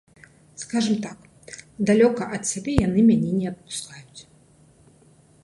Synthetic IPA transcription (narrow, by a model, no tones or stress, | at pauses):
skaʐɨmt̪ak | d̪alʲɔkɐʔɐt̪sʲabʲɛjanɨmʲanʲɛnʲɛɐt̪̚pu̥skajut͡sʲ